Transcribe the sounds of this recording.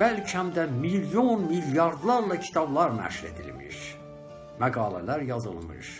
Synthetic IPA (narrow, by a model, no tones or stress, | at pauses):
b̥ælcʰihæmd̪æmiljonmiljɑɾd̪lˠɑɾlˠɑcʰi̥t̪ʰɑblˠɑɾnæ̰ʃuɾe̞̰d̪ḭlmḭɾ | mæɡɑːlæ̰læɾjɑzɯ̰lˠmɯ̰ʃ